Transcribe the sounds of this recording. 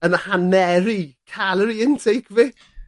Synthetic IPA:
ənhanɛɾikʰaləɾiɪntʰejkʰvɪk

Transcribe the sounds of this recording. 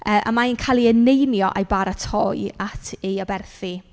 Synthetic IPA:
əːʔa̰mainkʰalˠiənejnjɔʔajbaɾatʰɔɨatʰeabɛrθi

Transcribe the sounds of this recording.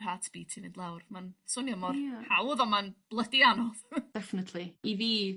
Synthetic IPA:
rɦatʰb̥iːtʰivɪnd̥lˠawrmansʊnjəmɔrhawðɔmanb̥lˠədianɔð̥d̥ɛfɪnətʰliiviː

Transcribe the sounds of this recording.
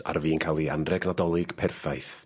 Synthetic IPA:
a̰rviːnkʰalˠianrɛɡnadɔlˠɪɡ̥pʰɛrfajθ

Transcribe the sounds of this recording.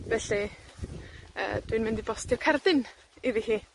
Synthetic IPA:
vɛɬi | ə̰ːd̥winmɪndibɔstʰɪrkʰardɪn | iðihiː

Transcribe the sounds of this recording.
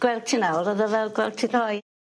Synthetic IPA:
ɡ̥wɛlˠtʰɪnaɔɾɔðɔvɛlˠɡwɛlˠtʰiðɔːj

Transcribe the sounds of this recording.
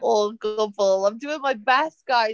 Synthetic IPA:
oɡʊbəlˠãɪ̃mdʉɪ̃ŋmaɪbæsɡ̥aɪ

